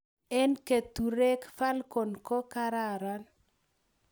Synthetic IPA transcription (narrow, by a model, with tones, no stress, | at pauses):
ɛ˦nke˨t̪u˨ɾe˦kfa˦lkɔ˨nkɔ˦ka˦ɾa˦˨ɾa˦n